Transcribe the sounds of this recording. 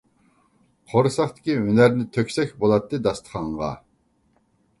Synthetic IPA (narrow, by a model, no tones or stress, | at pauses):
qʰoɾsɑχt̪ʰɪ̥kʲiɦynæɾnɪt̪ʰøkʲsɛkʲbolˠɑt̪ːɨd̪ɑst̪ʰə̥χʰɑɴʁɑ̰